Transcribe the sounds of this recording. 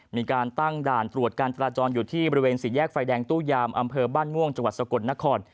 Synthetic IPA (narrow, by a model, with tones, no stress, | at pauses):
miː˧kaː˧nt̪a˥˩ŋdaː˨˩nt̪ɾu˨˩ət̪̚kaː˧nt͡ɕa˧ɾaː˧t͡ɕɔː˧njuː˨˩t̪ʰiː˥˩bɔː˧ɾi˧weː˧nsi˨˩jɛː˥˩k̚faː˧jdɛː˧ŋt̪uː˥˩jaː˧mʔa˧mpʰɤː˧baː˥˩nmu˥˩əŋt͡ɕa˧ŋwa˨˩t̪̚sa˧ko˨˩t̪̚na˦˥kʰɔː˧n